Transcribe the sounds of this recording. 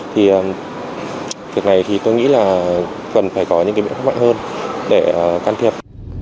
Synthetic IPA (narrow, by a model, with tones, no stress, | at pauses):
t̪ʰi˨˩ʔəː˨˩m | vi˨˩ək̚na˨˩jt̪ʰi˨˩t̪o˧jŋḭ˧˥laː˨˩ | kə˨˩nfaː˧˩jkɔ˨˦ɲɨ̰˧˥ŋaː˨˦ɓ̰wʰma˧˨ŋhəː˧nɗe˧˩˨kaː˧nt̪ʰi˨˩əp̚